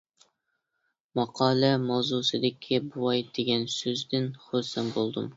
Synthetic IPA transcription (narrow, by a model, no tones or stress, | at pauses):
mɑqʰɑːlɛmɑwzusɨd̪ɪkʲʰibuwɑjd̪̥eɡʲɛnsøzd̪ɪnχosɪmbolˠd̪ɨm